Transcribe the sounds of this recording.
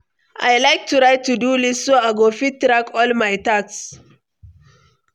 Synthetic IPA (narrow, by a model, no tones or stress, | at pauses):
ʔajlajk̚tʰuɾaɪtʰːudulisːoaɡofittɾakʰɔlmajtaks